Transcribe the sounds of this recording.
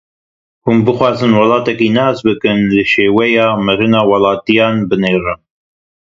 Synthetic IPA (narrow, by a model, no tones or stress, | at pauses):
humbɨxwɑːzɨnwɑlɑːt̪ɛkiːnɑːzbɨkɨnlɨʃeːwɛjɑːmɨɾɨnɑːwɑlˠɑːt̪ijɑːnbɨneːrɨm